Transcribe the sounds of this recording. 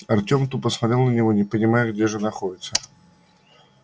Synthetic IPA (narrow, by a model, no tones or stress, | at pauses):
ɐrtʲo̞mt̪upəsmaɐt̪ɾʲelˠnənʲɪvo̞nʲɪpənʲɪmajʊɡdʲeʐɨnɐxo̞dʲɪt̪sə